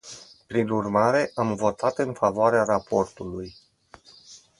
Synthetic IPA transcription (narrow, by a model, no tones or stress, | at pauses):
pɾinurmaɾe̞ʔamvo̞t̪at̪ɨnfavoaɾeaɾapo̞rt̪uluj